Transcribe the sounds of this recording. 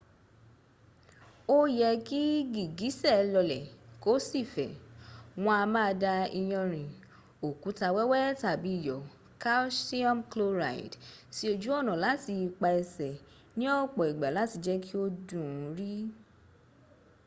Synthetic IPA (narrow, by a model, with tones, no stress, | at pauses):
o˦jɛ˧ki˦ɡi˨ɡi˨˦sɛ˦˨lɔ˧lɛ˨ko˦si˦˨fɛ̰˨w̃ɔ̃˧a˧mã˦˧da˧i˧jɔ̃˧ɾ̃ĩ˨ | o˨ku˨˦ta˧wɛ˦wɛ˦ta˨bi˨˦i˦˨jɔ˨ | ka˦si˦ɔ̃˦mklo˧ɾa̰˨ḭ˨dti˦o˧d͡ʒu˦ɔ˦˨nɔ̃˨la˨˦ti˧k͡pa˧ɛ˧sɛ˨ | nĩ˦ɔ˦˨k͡pɔ˨i˨ɡ͡ba˨la˨˦ti˧d͡ʒɛ˦ki˦o˦dũ˦˨˦ɾi˦